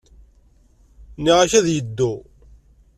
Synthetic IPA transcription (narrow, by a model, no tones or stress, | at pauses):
niʁaçæðjəd̪ːu